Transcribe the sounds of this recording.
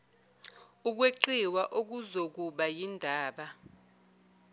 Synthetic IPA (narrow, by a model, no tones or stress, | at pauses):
uk̬weǃiwaʔok̬uzok̬uɓajindʱaːɓa